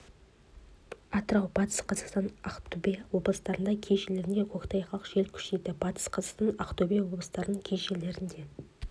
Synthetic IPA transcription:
ɑt̪əɾɑwbɑt̪ə̥sqʰɑzɑqst̪ɑnɑqt̪ʰubʲejwo̞blˠəsət̪ɑɾənd̪ɑkʲʰe̞jʃele̞ɾɪnd̪e̞kʲʰokt̪ɑjχɑlˠəqʒe̞lkʲʰʏ̥ʃe̞jd̪ɪbɑt̪ə̥sqʰɑzɑqst̪ɑnɑqt̪obʲijwo̞blˠəsət̪ɑɾənəŋkʲʰejʃe̞le̞ɾɪnd̪e̞

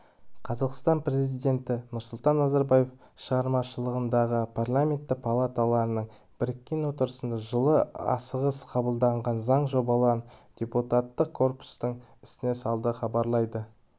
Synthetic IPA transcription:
qʰɑzɑqst̪ɑnpɾe̞zzijd̪ʲe̞nt̪ɪnʊɾsʊlˠt̪ɑnːɑzaɾbaje̞f | ʃəʁɑɾmɑʃəlˠəʁənd̪ɑʁəpʰarlˠamʲe̞nt̪ːɪk̚pʰalˠat̪alˠɑɾənəɴ | bɪɾɪkʲːe̞nwo̞t̪əɾəsənd̪ɑʒəlˠəɑ̰səʁəsqʰɑbəlˠd̪ɑɴʁɑnzɑɴʒo̞bɑlˠɑɾənd̪ʲe̞put̪at̪ːəq̚kʰːo̞rpu̥st̪əɴɪ̥sɪne̞sɑlˠd̪əχɑbɑɾlˠɑjd̪ə

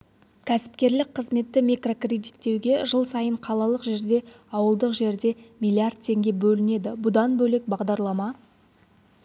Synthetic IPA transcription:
kʲʰæsɪ̥p̚kʲe̞ɾlɪk̚qʰəzme̞t̪ːɪmijkro̞krʲe̞d̪it̪ːe̞wɡʲe̞ʒəlˠsɑjəɴqʰɑlˠɑlˠəqʒe̞ɾd̪e̞ | ɑwəlˠd̪əqʒe̞ɾd̪e̞mʲijlʲiard̪̚t̪ʰe̞ŋɡʲe̞bɵlɪne̞d̪ɪbʊd̪ɑnbɵle̞k̚bɑʁd̪ɑɾlˠɑmɑ

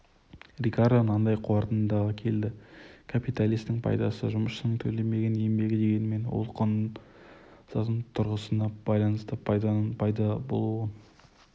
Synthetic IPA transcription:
rʲikaɾd̪onɑnd̪ɑjqʰuɑɾt̪ənd̪ɑʁəkʲʰe̞ld̪ɪkʰapit̪alijst̪ɪŋpʰɑ̰jd̪ɑsəʒʊməsʃənəŋt̪ʰɵle̞me̞ɡʲe̞ne̞mbe̞ɡʲɪd̪e̞ɡʲe̞nɪme̞nwo̰lˠqʰonn | sɑt̪ənt̪ʰʊɾʁəsənɑb̥ɑjlˠɑnəst̪əpʰɑjd̪ɑnənpʰɑjd̪ɑbo̞̰lˠuən

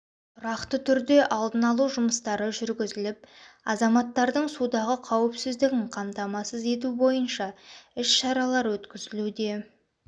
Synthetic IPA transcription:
t̪ʰʊɾɑqt̪ət̪ʰʏɾd̪e̞ʔɑlˠd̪ənɑlˠuʒʊməst̪ɑɾəʒʏɾɡʲɪzɪlɪp̚ɑzɑmɑt̪ːɑɾd̪əɴsud̪ɑʁəqʰɑwɪpsɪzd̪ɪɡʲɪɴqʰɑmt̪ɑmɑsəze̞t̪̬ubo̞jənʃɑɪʃʃɑɾɑlˠɑɾwɵt̪kʲɪzɪlud̪e̞

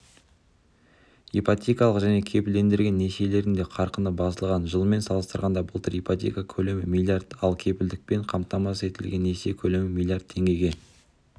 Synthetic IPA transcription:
ipat̪ʲejkɑlˠəqʒæne̞kʲʰe̞pɪld̪e̞nd̪ɪɾɡʲe̞nːesele̞ɾɪnd̪e̞qʰɑɾqənəbɑsəlˠʁɑnʒəlˠme̞nsɑlˠəst̪əɾʁɑnd̪ɑbəlˠt̪əɾijpat̪ʲekakʲʰɵle̞mɪmilˠijard̪ɑlˠkʲʰe̞pɪld̪ɪk̚pe̞ɴqʰɑmt̪ɑmɑse̞t̪ɪlɡʲe̞nːese̞kʲʰɵle̞mɪmʲilˠijart̪̚ʰːe̞ŋɡʲe̞ɡʲe̞

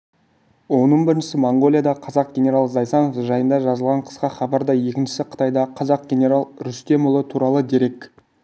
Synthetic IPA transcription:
wo̞nəɴbɪɾɪnʃɪsɪmoɴɡo̞lʲˠijad̪ɑqʰɑzɑq̚ɡʲenʲe̞ɾalˠzɑjsɑnofʒɑjənd̪ɑʒɑzəlˠʁɑɴqʰə̥sqɑχɑbɑɾd̪ɑje̞kʲɪnʃɪ̥sɪqʰə̥t̪ɑjd̪ɑqʰɑzɑq̚ɡʲe̞nʲe̞ɾalˠɾʏst̪e̞mbolˠət̪ʰuɾɑlˠəd̪e̞ɾe̞k

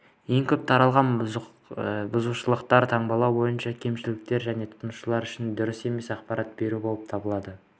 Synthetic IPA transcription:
je̞ŋkʲʰɵp̚t̪ʰɑɾɑlˠʁɑn | bʊzuʃəlˠəqt̪ɑɾt̪ʰɑɴbɑlˠɑwbo̞jənʃɑkʲʰe̞mʃɪlɪk̚t̪e̞ɾʒæne̞t̪ʰʊ̥t̪nəʃəlˠɑɾʏʃɪnd̪ʊɾɪse̞me̞sɑqpɑɾɑt̪̚be̞ɾubo̞lˠəp̚t̪ʰɑbəlˠɑd̪ə

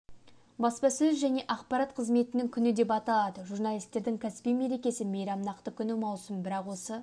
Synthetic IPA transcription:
bɑspɑsɵzʒæne̞ʔɑqpɑɾɑt̪qʰəzme̞t̪ɪnɪŋkʲʰʏnɪd̪e̞pɑt̪ɑlˠɑd̪əʒurnalʲˠijst̪e̞ɾd̪ɪŋkʲʰæsɪ̥pijme̞ɾe̞kʲe̞sɪmejɾɑmnɑqt̪əkʲʰʏnɪmɑwsəmbɪɾɑqwo̞sə

